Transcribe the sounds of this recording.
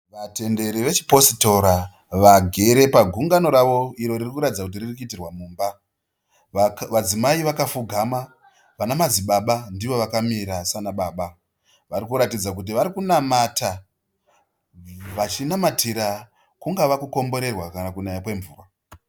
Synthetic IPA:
ʋate̞nde̞ɾiʋe̞t͡ʃi̥po̞sito̞ɾa | ʋaɡʱe̞ɾe̞paɡʱuŋɡano̞ɾaʋo̞iɾo̞ririkuɾatid͡zakut̬iririk̬uitirwamuːmba | ʋad͡zimaiʋakafuɡʱama | ʋanamad͡ziɓaɓandiʋo̞ʋakamiɾasanaɓaːɓa | ʋaɾikuɾatid͡zak̬ut̬iʋaɾikunamata | ʋat͡ʃinamatʰiɾa | kuŋɡaʋakuko̞mbo̞ɾe̞rwakanakunajakwe̞ɱvṵːra

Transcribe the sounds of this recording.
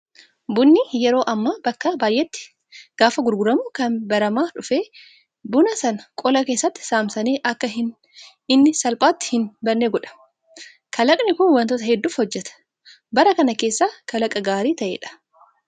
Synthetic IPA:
bʊnːɪjɛɾo̞ːʔɐmːaːbɐkːɐbaːjʔːɛt̪ːɪ̥ | ɡ̥aːfɐɡʊɾɡʊɾɐmʊkɐnbɐɾɐmaːᶑʊfeː | bʊnɐsɐnɐkʼɔlɐke̞ːsːɐt̪ːɪ̥saːmsɐneːʔɐkːɐɪn | ɪnːɪsɐlpʼaːt̪ːɪ̥hɪnbɐnːeːɡɔᶑɐ̥ | kʰɐlɐkʼnɪkʊnwɐnt̪ɔt̪ɐhɛd̪ːuːfhɔd͡ʒːɛt̪ɐ̥ | bɐɾɐkɐnɐke̞ːsːaːkɐlɐkʼɐɡaːɾiːt̪ɐʔḛːᶑɐ̥

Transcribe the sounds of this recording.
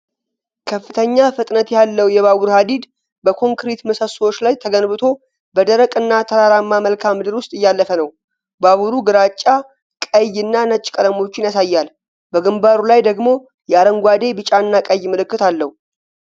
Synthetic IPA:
kʰəfːɨt̪ʰəɲːafɨt̪ʼnət̪jalːəwjɛβaβuɾhad̪id̪ | bəkʰo̞ŋkɾit̪məsəswo̞t͡ʃːlajt̪ʰəɡənbɨt̪ʰo̞ | bəd̪əɾəkʼɨnːat̪ʰəɾaɾamːaməlkʰamːɨd̪ɨɾwʊst̪ʼɨjːalːəfənəw | baβuɾuɡɨɾat͡ʃʼːa | kʼəjɨnːanət͡ʃʼːkʼəd̪əmo̞t͡ʃːɪnjasajːal | bəɡɨmbaɾulajd̪əɡmo̞ | jɛaɾəŋɡʷad̪e̞bɨt͡ʃʼaɨnːakʼəjmɨlɨkːɨt̪alːəhu

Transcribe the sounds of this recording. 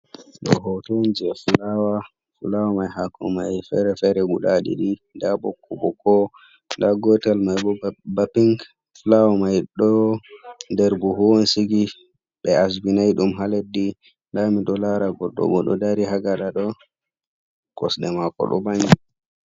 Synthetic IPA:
ɗɔ̰ɦɔtoɲd͡ʒɛfulawa | fulawamajhakʰɔ̰majfɛ̰ɾɛfɛɾɛɡuɗaɗḭɗidabɔkːɔbɔkɔ | daɡɔtalmajbɔbapiŋɡ | fulawamajɗɔ | dɛɾbuɦuwɔnsiɡi | ɓɛas̬binajɗumɦaledːi | ndamiɗɔlaɾaɡɔlɗɔ̰ɓɔɗɔ̰daɾiɦaɡaɗaɗɔ | kɔ̰sɗɛmakɔ̰ɗɔ̰baŋɡi

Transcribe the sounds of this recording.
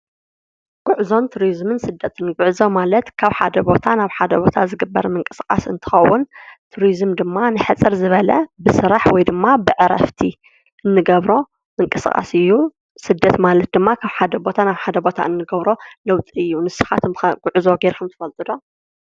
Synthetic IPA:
ɡ̥ʊʕzo̞nt̪ʰuɾizmɨnsɨd̪ːɐt̪ʰɨnɡʊʕzomalɐt̪kʰaβħa̰d̪ɐbo̞t̪ʰanaβħad̪ɐbo̞t̪ʰazɨɡɨbːɐ̰ɾmɨŋkʼɨskʼa̰sɨ̰nt̪ʰɨ̥xɐ̰wːʊnt̪ʰuɾizmd̪ɨmːanɨħɨt͡sʼːɨɾzɨβɐlɐ̰bɨsɨɾaħwɔjd̪ɨmːabɨʕɨɾɐ̰ft̪ʰi | ʔɨnːɨɡɐβɾo̞ | mɨŋkʼɨskʼa̰sɨjːu | sɨd̪ːɐt̪malɐt̪̚d̪ɨmːakʰaβħad̪ɐbo̞t̪ʰanaβħad̪ɐbo̞t̪ʰa̰ɨnːɨɡɐβɾo̞lɐwt̪ʼiɨjːunɨsɨxa̰t̪ʰɨɡ̥ʊʕzo̞ɡeɾkʰɐmt̪ʰɨ̥fɐlt̪ʼɨd̪o̞

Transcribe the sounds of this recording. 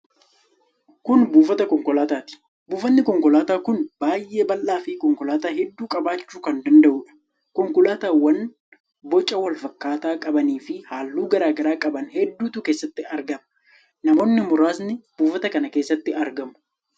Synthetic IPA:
kʊnbuːfɐt̪ɐkɔŋkɔlaːt̪aːt̪ɪ̥ | buːfɐnːɪkɔŋkɔlaːt̪aːkʊnb̥aːjʔe̞ːbɐlʔaːfɪkɔŋkɔlaːt̪aːɦɛd̪ːuːkʼɐbaːt͡ʃːuːkɐnd̪ɐnd̪ɐʔuːᶑɐ̥ | kɔŋkʊlaːt̪aːwɐn | bɔt͡ʃʼːɐwɐlfɐkːaːt̪aːkʼɐbɐniːfɪhaːlːuːɡɐɾaːɡɐɾaːkʼɐbɐnhɛd̪ːuːt̪uke̞ːsːɐt̪ːɪɐɾɡɐmɐ | nɐmo̞ːnːɪmʊɾaːsnɪb̥uːfɐt̪ɐkɐnɐke̞ːsːɐt̪ːɪɐɾɡɐmʊ̥

